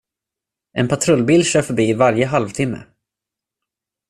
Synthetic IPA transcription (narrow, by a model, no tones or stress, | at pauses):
ʔɛnpʰat̪ʰɾɵlbiːlɕœːfœɾbiːvaɾjəɦalvt̪ʰɪmːə̰